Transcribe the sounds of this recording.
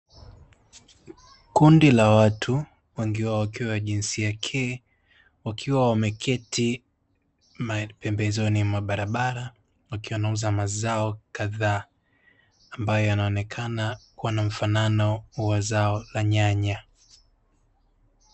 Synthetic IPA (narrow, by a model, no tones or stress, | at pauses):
kundilawatʰu | wɛŋɡiwawakiwawaʄinsiakʰɛː | wakʰiwawamɛkʰɛtʰi | mapɛmbɛzɔnimwaɓaɾaɓaɾa | wakiwanauzamazaɔkaðaː | mbajɔjanaɔnɛkʰanakuwanam̩fananɔwazaɔlaɲaɲa